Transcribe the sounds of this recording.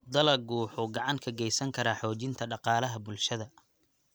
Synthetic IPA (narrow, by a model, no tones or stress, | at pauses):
d̪ɐlɐɡuːħʊɡɑʕɑŋkʰɐɡɛjsɐŋkʰɐɾaħɔːt͡ʃɪnt̪ʰɐɖɑqɑːlɐɦɐbʊlʃɐðɐ